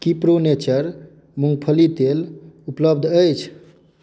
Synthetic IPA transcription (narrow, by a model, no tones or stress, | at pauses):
kipɾonet͡ʃəɾ | muŋɡpʰəlit̪elupləbd̪ʱəjt͡ʃʰ